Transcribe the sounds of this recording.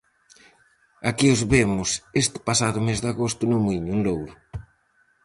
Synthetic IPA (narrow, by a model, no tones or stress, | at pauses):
akiozβemʊsest̪ɪ̥pasaðʊmezðaɣost̪ʊnʊmiɲunlowɾʊ